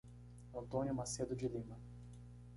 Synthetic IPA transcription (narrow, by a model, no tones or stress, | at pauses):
ɐ̃nt̪õnʲjʊmased̪ʊd͡ʒɪlĩmɐ